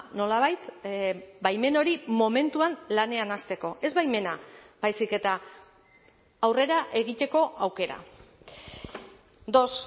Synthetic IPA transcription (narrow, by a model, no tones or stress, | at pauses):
no̞laβ̞ajt̪ | bajme̞no̞ɾimo̞me̞nt̪uanlane̞anast̪e̞ko̞ʔe̞zβajme̞nab̥ajsike̞t̪a | wre̞ɾaʔe̞ɣit̪e̞ko̞ʔawke̞ɾa̰ | d̪o̞s